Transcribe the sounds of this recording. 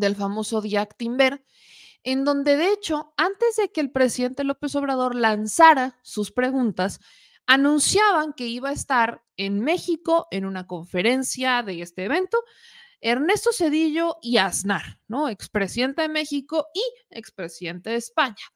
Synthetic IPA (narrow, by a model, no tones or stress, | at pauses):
d̪e̞lfamo̞so̞ðjakt̪imbe̞ɾ | e̞nd̪õ̞nd̪e̞ðeet͡ʃo̞ant̪e̞zðe̞ke̞ːlpɾe̞siðe̞nt̪e̞lo̞pe̞so̞β̞ɾað̞o̞ɾlansaɾasuspɾe̞ɣũnt̪as | anũnsjaβaŋke̞iβae̞st̪aɾ | enme̞xiko̞ʔe̞nũnako̞ɱfe̞ɾe̞nsjaðe̞e̞st̪e̞ːβ̞e̞nt̪o̞ | e̞ɾne̞st̪o̞se̞ðiʝo̞iaznaɾno̞e̞kspɾe̞siðe̞nt̪eðe̞me̞xiko̞iekspɾe̞siðent̪e̞ðeːspaɲḁ